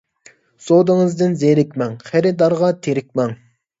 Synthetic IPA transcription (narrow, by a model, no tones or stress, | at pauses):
sod̪ɨŋɨzd̪ɪnzeɾɪkʲmɛŋχæɾɪd̪ɑɾʁɑt̪ʰeɾɪkʲmɛŋ